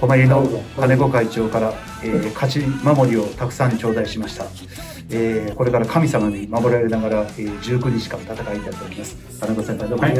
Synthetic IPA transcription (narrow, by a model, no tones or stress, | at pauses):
komoɾʲinokane̞ɡo̞kait͡ɕo̞ːkaɾa | eːkʰat͡ɕimamo̞ɾʲio̞t̪akɯ̟̥sãɲ̟ːit͡ɕo̞ːd̪aiɕimaɕi̥t̪a | eːko̞ɾe̞kaɾakʰamʲisamaɲ̟imamo̞ɾaɾenaɡaɾaeːd͡ʑɨːkɯ̟ɲit͡ɕi̥kã̰nt̪at̪akait̪ait̪ːokʲimasɨ̥ | kaneɡo̞sempaid̪om